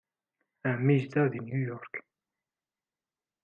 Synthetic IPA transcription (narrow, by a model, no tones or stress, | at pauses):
æmiʒd̪æðinjujɔɾk